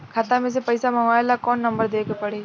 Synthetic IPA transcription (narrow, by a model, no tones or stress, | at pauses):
kʰɐt̪ãmẽs̬epɐɪsamɐŋaːelakɔːnːɐ̃mbəɾd̪eːkpɐɽeː